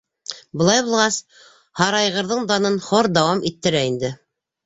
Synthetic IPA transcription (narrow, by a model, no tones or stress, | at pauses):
bɤ̆lˠɑjbulˠʁɑs | hɑɾɑjʁɤ̆ɾðɤɴd̪ɑnɤnχoɾd̪ɑwɑmit̪ːɘ̆ɾæind̪ɘ